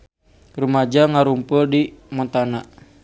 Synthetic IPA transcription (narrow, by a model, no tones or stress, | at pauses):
rumad͡ʒaŋaɾumpuldimɔt̪ana